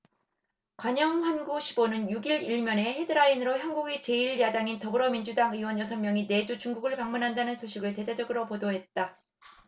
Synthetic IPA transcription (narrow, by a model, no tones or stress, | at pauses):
kwaɲʌŋɸanɡuɕʰibonɯnjuɡiɾiɭmjʌne̞he̞dɯɾainɯɾoçjanɡuɡit͡ɕe̞iɭjadaŋintʌbɯɾʌmind͡ʑudaŋɯiwʌnjʌsʰʌnmjʌŋine̞d͡ʑut͡ɕuŋɡuɡɯɭpaŋmunɦandanɯnsʰoɕʰiɡɯɭte̞dad͡ʑʌɡɯɾopodoɦe̞t̚t͈a